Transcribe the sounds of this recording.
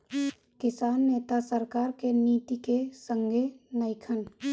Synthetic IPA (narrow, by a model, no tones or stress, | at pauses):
kɪsaːnːeːt̪asəɾkaːɾkeniːt̪ikesə̃ŋɡʱenəɪkʰən